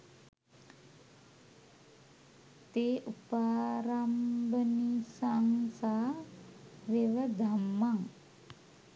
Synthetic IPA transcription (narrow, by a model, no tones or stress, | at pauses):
t̪eʔupaɾambənisaŋsa | wewəd̪amːaŋ